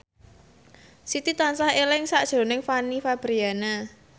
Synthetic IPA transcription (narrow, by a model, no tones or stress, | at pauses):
sit̪it̪ansahelɪŋsaʔd̥ʒ̥ɾo̤nɪŋfanifab̥ɾiana